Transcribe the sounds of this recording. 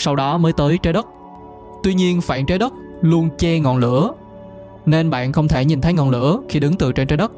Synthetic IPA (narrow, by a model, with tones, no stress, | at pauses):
sa˧wɗɔ˨˦məː˨˦jt̪əː˨˦jt͡ɕaː˨˦jɗə˦˥t̚ | t̪wi˧ɲi˧ənfa̰ː˧˨nt͡ɕaː˨˦jɗə˦˥k͡p̚ | lu˧ənt͡ɕɛ˧ŋɔ̰˧˨nlɨ̰˧˥ə | ne˧nɓa̰ː˧˨nxə˧wŋ͡mt̪ʰe˧˩ɲi˨˩nt̪ʰə˨˦jŋɔ̰˨˩nlɨ̰˧˥əxi˧ɗɨ˨˦ŋt̪ɨ̰˧˨t͡ɕe˧nt͡ɕaː˨˦jɗə˦˥k͡p̚